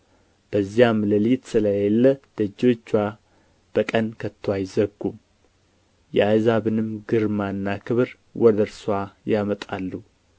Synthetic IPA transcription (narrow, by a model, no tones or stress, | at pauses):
b̥əzijamləlijt̪sɨləjelːəd̪̥əd͡ʒo̞t͡ʃːwa | b̥əkʼənkʰət̪ʰːwajzəɡːu | jɛajzaβɨnɨmɡɨɾmanːakʰɨβɨɾ | wɔd̪əɾswajamət̪ʼalːu